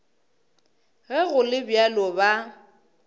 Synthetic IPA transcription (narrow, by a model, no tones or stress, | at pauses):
ɣɛɣʊlɪbjalɔba